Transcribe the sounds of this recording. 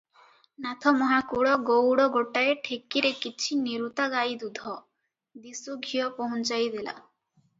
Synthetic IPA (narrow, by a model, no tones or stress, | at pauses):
nat̪ʰɔmɔɦakuɽɔɡowɽɔɡoʈaeʈʰekiɾekit͡ʃʰiniɾut̪aɡajd̪ud̪ʱɔ | d̪isuɡʱijɔpɔɦũnt͡ʃajd̪ela̰